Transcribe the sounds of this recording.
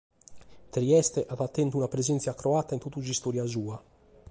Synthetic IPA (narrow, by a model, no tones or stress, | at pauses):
t̪ɾiɛst̪eʔaðat̪ːɛnt̪uunapɾezɛnt̪sjakɾoat̪ːaint̪ut̪ːuzist̪oɾjazuːa